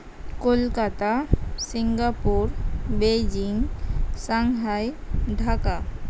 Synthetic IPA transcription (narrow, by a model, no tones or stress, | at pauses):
kolkat̪asiŋɡapuɾbed͡ʑiŋsaŋɦajɖʱaka